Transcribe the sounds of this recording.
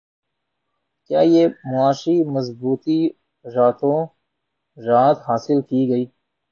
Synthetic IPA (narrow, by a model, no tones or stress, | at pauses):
kjaːjeːmʊaːʃiːmɐzbuːt̪i | ɾaːt̪õː | ɾaːt̪ɦaːsɪlkiːɡəiː